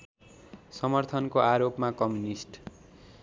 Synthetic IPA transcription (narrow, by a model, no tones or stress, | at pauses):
sʌmʌrt̪ʰʌnkoaɾopmakʌmjunisʈ